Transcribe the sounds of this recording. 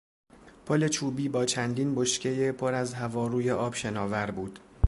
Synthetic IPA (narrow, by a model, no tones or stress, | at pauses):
pʰole̞t͡ʃʰuːbiːbɒːt͡ʃʰænd̪iːnbo̞ʃce̞jepʰo̞ɾæzɦævɒːɾuːje̞ʔɒːbʃe̞nɒːvæɾbuːd̪̥